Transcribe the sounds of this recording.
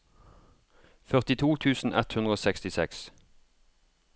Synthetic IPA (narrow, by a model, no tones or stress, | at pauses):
fœʁt̪ɪt̪ʰuːt̪ʰʉːsn̩ʔɛt̪hʉnd̪ʁəoːsɛkst̪ɪsɛks